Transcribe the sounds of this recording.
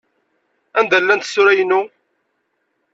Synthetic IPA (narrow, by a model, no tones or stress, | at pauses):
ænd̪ælːænt̪sːʊɾæjnːu